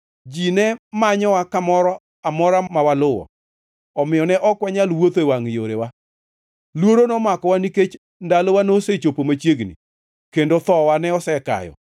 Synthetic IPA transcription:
d͡ʒinɛmaɲɔwakamɔɾɔ | amɔɾamawalʊwɔ̰ | ɔmɪjɔnɛʔɔkwɛɲalwot̪ewaŋjoɾewa | lwoɾonɔmakɔwaniket͡ʃ | ndalowanoset͡ʃopomat͡ʃjeɡnḭ | kendot̪ɔwanɛɔsɛka̰jɔ̰

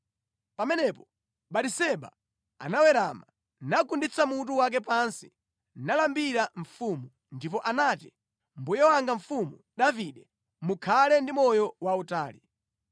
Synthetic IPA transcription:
pamɛnɛpɔ̥ | ɓatisɛɓa̰ | a̰nawɛɾama | nakundit͡samut̬uwak̬ɛpansi̥ | nalambiɾaɱfumu | ndip̬ɔʔanati | mbujɛwaŋɡaɱ̩fumu | ɗaviɗɛ | mukʰalɛndimɔjɔwautaːli

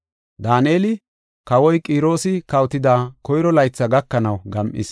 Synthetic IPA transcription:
d̪aːneːlɪ | kɐwɔjkʼiːɾo̞ːsɪkɐwt̪ɪd̪aːkɔjɾɔlɐjt͡sːɐɡɐkːɐnɐwɡɐmʔɪ̰s

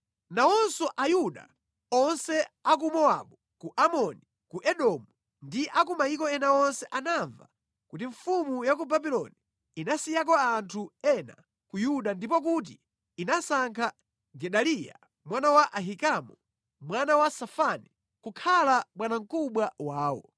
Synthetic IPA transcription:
naɔnsɔʔajuɗa̰ | ɔnsɛak̬umɔa̰ɓu | kuʔamɔni | kuʔɛɗɔmu | ndiʔak̬umaik̬ɔɛnaɔnsɛʔanaɱva̰ | kutiɱfumujak̬ubabilɔ̰ni | inasijak̬ɔantʰuɛna̰ | kujuɗandipɔk̬ut̬iː | nasaŋkʰa | ɡɛɗalija̰ | mwanawaʔaɦikamu | mwanawasafani | kukʰalaɓwanaŋ̩kuɓwawaːwɔ̰

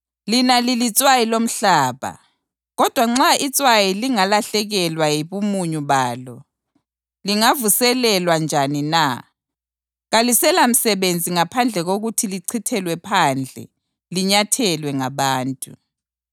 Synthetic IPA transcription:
linalilit͡sʼwajilom̩ɬaːβa̰ | ɣɔd̥ʱwaŋ͡ǁait͡sʼwajiliŋalaɬɛɣɛlwajiβumuɲuβaːlɔ̰ | liŋavusɛlɛlwand͡ʒʱanina | ɣalisɛlam̩sɛβend͡zʱiŋapʰand͡ɮʱɛɣoɣutʰiliǀʰitʰɛlwɛpʰand͡ɮʱɛ̰ | liɲatʰɛlwɛŋaβaːntʼu

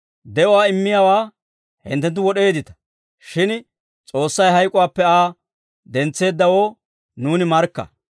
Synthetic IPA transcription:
d̪ɛʊwaːɪmːɪjawaː | hɪ̰nt̪ːɛnt̪̬ːʊwɔɗe̞ːd̪ɪt̪ɐ̥ | ʃɪn | t͡sʼo̞ːsːɐjɦɐjkʼʊwaːpːɛaː | d̪ɛnt͡sːe̞ːd̪ːɐwo̞ː | nuːnɪmɐɾkːɐ̰

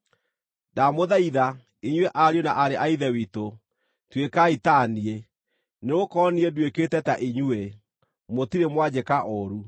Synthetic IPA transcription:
damoðaiða | iɲweʔaɾjonaʔaɾeʔaiðɛwito | twekaitanie | neokɔːniɛdweketɛtaʔiɲue | motiɾemwad͡ʑekaʔɔɾu

